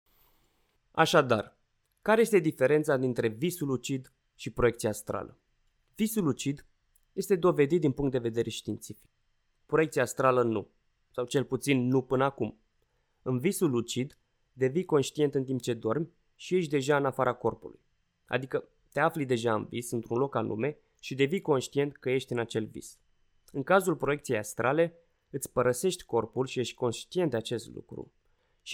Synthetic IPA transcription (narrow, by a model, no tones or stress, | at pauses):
a̰ʃad̪ar | kaɾe̞je̞st̪e̞d̪ife̞ɾe̞nt̪sad̪int̪ɾe̞visulut͡ʃid̪ | ʃipɾo̞jekt̪sijast̪ɾa̰lə̰ | visulut͡ʃid̪ | je̞st̪e̞d̪o̞ve̞d̪it̪̚d̪inpuŋkt̪̚d̪e̞ve̞d̪e̞ɾʔe̞ʃt̪int̪sifi̥k̚ | pɾo̞e̞k̚t̪siast̪ɾalənṵ | sawt͡ʃe̞lput̪sinːupɨnəakum | ɨnvisulut͡ʃid̪ | d̪e̞vijko̞nʃt̪ije̞nt̪ɨnt̪imp̚t͡ʃe̞d̪o̞rmʲ | ʃije̞ʃt̪̬̚ʲd̪eʒaɨnafaɾʔako̞rpulṵj | a̰d̪ikə | t̪e̞aflid̪e̞ʒaɨ̰nvisɨnt̪ɾunlo̞kalʔṵme̞ | ʃid̪e̞vijko̞nʃt̪ie̞nt̪kəje̞ʃt̪ʲɨnat͡ʃe̞lvḭs | ɨŋkazulpɾo̞je̞kt̪sijejast̪ɾʔale̞ | ɨt̪sʲpəɾəse̞ʃt̪ʲko̞rpulʃije̞ʃt̪ʲko̞nʃt̪ie̞nt̪at͡ʃe̞st̪lṵkɾṵ | ʃ